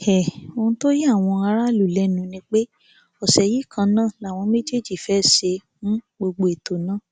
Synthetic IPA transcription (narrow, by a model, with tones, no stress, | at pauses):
ɛ˨o˧ũ˦to˦je˦a˦˨w̃ɔ̃˧a˧ɾa˦˨lu˨lɛ˨˦nũ˨˦nĩ˧k͡pe˦ | ɔ˨sɛ˨ji˦kʰã˧nã˦˨la˦˨w̃ɔ̃˧me˦d͡ʒe˦˨d͡ʒi˨fɛ˦se˧ | mũ˦ɡ͡bo˧ɡ͡bo˧˦e˨to˨nãː˦˨